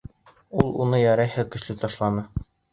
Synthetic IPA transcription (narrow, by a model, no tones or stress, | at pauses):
ulˠunɤjæɾæjhɘkɵ̆ʃlɘt̪ɑʃlˠɑnɤ